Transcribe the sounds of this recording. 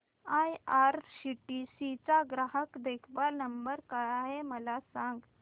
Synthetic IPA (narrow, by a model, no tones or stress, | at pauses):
ajaɾɕiʈisit͡saɡɾaɦəkd̪ekʰbaɾnəmbəɾkajaɦeməlasãŋɡ